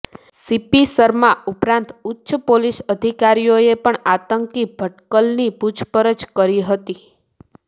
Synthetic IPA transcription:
sipisəɾmãupɾãnt̪ʊtːʃəpolisəd̪ʱikaɾijoepəɳat̪əŋkibʱəʈkəlniput͡ʃʰpəɾət͡ʃkəɾiɦət̪i

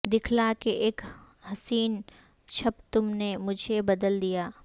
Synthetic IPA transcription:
d̪ɪkʰlakeʔeːk | ɦɐsiːn | ʃʰɐbt̪ʊmnemʊd͡ʒʱebɐd̪əld̪ijaː

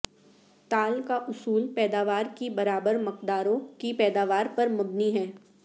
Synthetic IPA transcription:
t̪aːlkaʔʊsuːlpɛːd̪aːʋaːɾkibɐɾaːbəɾmʊqd̪aːɾõkipɛːd̪aːʋaːɾpɐɾmʊbniɦɛː

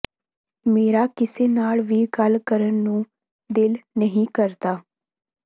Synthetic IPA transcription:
meːɾaːkɪseːnaːɭʋiːɡəlkəɾənːũː | d̪ɪlnəɦĩːkəɾt̪aː

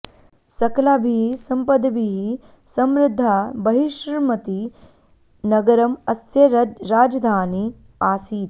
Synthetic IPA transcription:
sɐkɐlaːbʱisɐmpɐd̪ɐbiɦi | sɐmɾɪd̪ʱːabɐɦiʃmɐt̪i | nɐɡɐɾɐmɐsjɐɾaːd͡ʒɐd̪ʱaːni | aːsiːt̪

